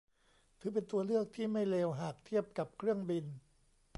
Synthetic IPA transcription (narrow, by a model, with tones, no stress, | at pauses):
k̪ʰɯː˨˦p̬e˧nt̪u˧ɐlɯ˥˩ək̚t̪ʰiː˥˩ma˥˩jleː˧wɦaː˨˩k̚t̪ʰi˥˩əp̚ka˨˩p̚kʰɾɯ˥˩əŋbi˧n